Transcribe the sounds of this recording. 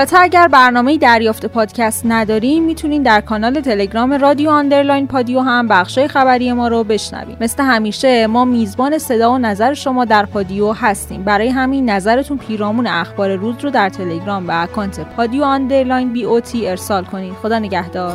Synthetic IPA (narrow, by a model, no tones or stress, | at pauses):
ɒt̪ʰeæɟæɾbæɾnɒːme̞jid̪æɾjɒːft̪e̞pʰɒːd̪̥cʰæst̪næd̪ɒːɾiːmːiːt̪ʰuniːmd̪æɾkʰɒːnɒːle̞t̪ʰe̞le̞ɟɾɒːme̞ɾɒːd̪ioɑnd̪e̞ɾlɒːjnpʰɒd̪ioɦæmbæxʃɒːjexæbæɾiːje̞mɒːɾobe̞ʃnæ̰vḭmme̞sle̞ɦæmiːʃe̞mɒːmiːzbɒːne̞se̞d̪ɒːonæzæɾeʃo̞mɒːd̪æɾpʰɒd̪iohæst̪ḭːmbæɾɒːjeɦæminːæzæɾe̞t̪ʰunpʰiːɾɒːmuːneæxb̥ɒːɾe̞ɾuːzɾod̪æɾt̪ʰe̞le̞ɟɾɒːmbeækʰɒːnt̪ʰe̞pʰɒːd̪ioɑnd̪e̞ɾlɒːjnbiːot̪ʰiːe̞ɾsɒːlkʰo̞niːd̪̥xo̞d̪ɒːne̞ɟæhd̪ɒːɾ